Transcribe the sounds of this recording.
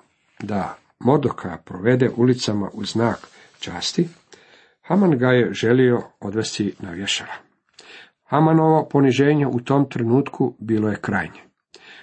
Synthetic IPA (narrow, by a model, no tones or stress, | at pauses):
d̪a | mo̞ɾd̪okʰaapɾo̞ʋe̞d̪eʔulit̪sama̰ʔuznaːk | t͡ʃaːst̪i | hamanɡaje̞ʒe̞lio̞od̪ʋe̞st̪inaʋje̞ʃaɾa | hamano̞ʋo̞po̞niʒe̞ːɲe̞ʔut̪o̞ːmt̪ɾenuːt̪kʰubiːlˠoje̞kɾaːjɲe̥